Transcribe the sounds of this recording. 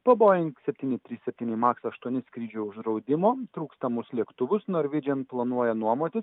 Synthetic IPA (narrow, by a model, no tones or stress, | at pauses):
pɐboːjɪŋksʲɛpʲt̪ʲiːnʲɪt̪ʲɾʲiːssʲɛpʲt̪ʲiːnʲɪmɑːksɐʃt̪uɔnʲɪskɾʲiːd͡ʒʲuːʊʒd̪ɾɒʊd̪ʲɪmoːt̪ɾuːkst̪ɐmʊslʲiɛkt̪ʊʋʊsnoːɾʲʋʲɪd͡ʒʲɛnplˠɐnuɔjɛnuɔmoːt̪ʲɪs